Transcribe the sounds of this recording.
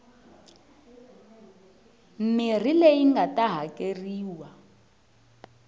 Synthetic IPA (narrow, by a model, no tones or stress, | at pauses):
m̩mir̤ilejiŋɡatʼaɦakʼeriːwa